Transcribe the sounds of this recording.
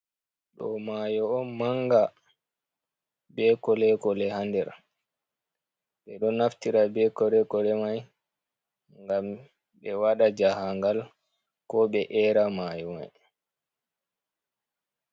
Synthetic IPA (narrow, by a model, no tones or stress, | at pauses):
ɗɔ̰majɔːnmaŋɡa | bɛkɔlɛkɔlɛhandɛɾ | ɓɛɗɔnaftiɾabɛkɔlɛkɔlɛmaj | ŋɡam | ɓɛwaɗad͡ʒahaŋɡal | kɔɓɛʔɛɾamajɔma̰j